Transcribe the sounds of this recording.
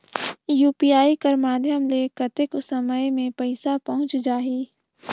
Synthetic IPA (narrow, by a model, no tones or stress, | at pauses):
juːpiaːikəɾmaːd̪ʱjəmlekət̪ɪkʊsəməjmẽpəɪsapɐɦʊ̃t͡ʃd͡ʒaːɦiː